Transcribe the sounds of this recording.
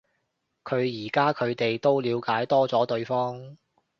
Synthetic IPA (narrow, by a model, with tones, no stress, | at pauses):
kʰɵ˨˧ɥjiː˨˩kaː˥kʰɵ˨˧ɥt̪e˨jt̪o˥wliː˨˧wkaː˨˥jt̪ɔː˥t͡sɔː˨˥t̪ɵ˧ɥfɔː˥ŋ